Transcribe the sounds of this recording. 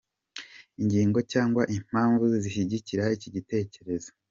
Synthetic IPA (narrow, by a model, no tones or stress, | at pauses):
iɲɟiːŋɡo̞caːŋɡwaʔim̥aːɱvuziʃiɟiciɾaiciɟite̞ːce̞ɾe̞zo